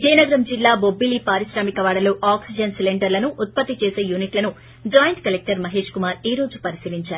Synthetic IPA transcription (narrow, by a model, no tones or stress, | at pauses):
d͡ʒeːjnɐɡɐɾɐmd͡ʒilːaːbo̞bːilipaːɾisɾaːmikɐʋaːɽɐloːʔaːksid͡ʒɐnsileɳɖɐɾlɐnuʔːt̪̚pɐt̪ːit͡ʃeːse̞ːjuːniʈlɐnu | d͡ʒaːjɐɳʈkɐlek̚ʈɐɾmɐɦe̞ːʂkumaːɾiːɾo̞ːd͡ʒupɐɾisiliɲt͡ʃaːɾu